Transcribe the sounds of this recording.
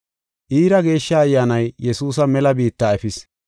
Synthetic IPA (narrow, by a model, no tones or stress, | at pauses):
ʔiːɾɐɡe̞ːʃːɐːjːaːnɐjːɛsuːs̬ɐmɛlɐbiːt̪ːaːɛfɪs